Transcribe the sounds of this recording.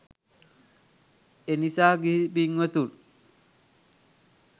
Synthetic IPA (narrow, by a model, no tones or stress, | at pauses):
enisaːɡibiŋːət̪un